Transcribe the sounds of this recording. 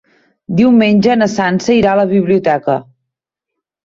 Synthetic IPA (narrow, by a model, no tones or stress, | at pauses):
d̪iwmenʲʒənəsansəiɾaləβ̞iβliut̪ɛkə̰